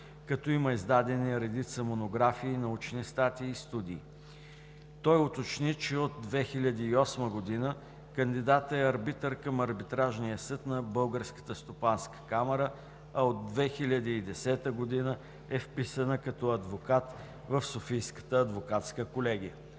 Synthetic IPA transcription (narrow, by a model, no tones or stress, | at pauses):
kɐt̪ɔiməizd̪ad̪ɛniɾɛd̪it̪səmonoɡɾafiːnɐut͡ʃnist̪at̪iːst̪ud̪iː | t̪ɔjot̪ot͡ʃnit͡ʃɛod̪̚ːvɛxilʲɐd̪iːɔsməɡod̪inə | kənd̪id̪at̪əɛɐɾbit̪əɾkɐmɐɾbit̪ɾaʒnijəsɤt̪nɐbɤlˠɡəɾskə̥t̪əst̪opanskə̥kamɛɾə | ɐod̪ːvɛxilʲəd̪iːd̪ɛsɛt̪əɡod̪inə | ɛfpisənəkɐt̪ɔɐd̪vokat̪ | vəfsofijskə̥t̪əɐd̪vokat̪skəkolɛɡ̟ijə